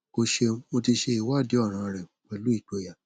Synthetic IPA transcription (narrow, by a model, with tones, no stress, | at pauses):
ko˧ʃe˧mo˧ti˧ʃe˧i˨wa˦˨di˨˦ɔ˦˨ɾ̃ã˧˨ɾɛ˨k͡pɛ˧lu˨˦i˦˨k͡po˨˧˦ja˨